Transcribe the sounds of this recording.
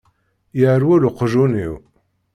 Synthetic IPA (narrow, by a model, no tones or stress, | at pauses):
jaɾwuluqəʒuniw